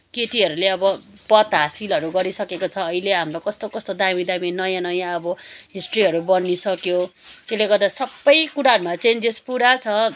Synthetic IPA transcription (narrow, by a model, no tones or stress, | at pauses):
keʈiʌɾuleʌbʌ | pʌt̪ɦasilɦʌɾuɡʌɾisʌkekot͡sʰʌːileɦamɾokʌst̪okʌst̪od̪amid̪aminʌjãnʌjãʌbʌɦisʈriɦʌɾubʌnːisʌkjot̪eleɡʌrd̪asʌbːʌjkuɾaɦʌɾumat͡send͡zespuɾat͡sʰʌ